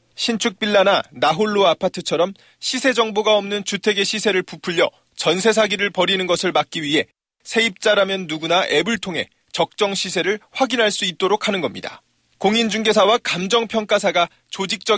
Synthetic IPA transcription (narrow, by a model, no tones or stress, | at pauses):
ɕʰint͡ɕʰuk̚p͈iɭːananaɦoɭːoapʰatʰɯt͡ɕʰʌɾʌm | ɕʰisʰe̞d͡ʑʌŋboɡaʌmnɯnt͡ɕutʰe̞ɡe̞ɕʰisʰe̞ɾɯɭpupʰuʎːjʌ | t͡ɕʌnsʰe̞s̬ʰaɡiɾɯɭpʌɾinɯnɡʌsʰɯɭmak̚k͈iɥiɦe̞ | sʰe̞ip̚t͡ɕ͈aɾamjʌnːuɡunaʔebɯɭtʰoŋɦe̞̰ | t͡ɕʌk̚t͡ɕ͈ʌŋɕʰisʰe̞ɾɯɭɸwaɡinɦaɭs͈uit̚t͈oɾokʰanɯnɡʌmɲida̰ | koŋind͡ʑuŋɡe̞sʰawakamd͡ʑʌŋpʰjʌŋk͈asʰaɡa | t͡ɕod͡ʑik̚t͡ɕ͈ʌ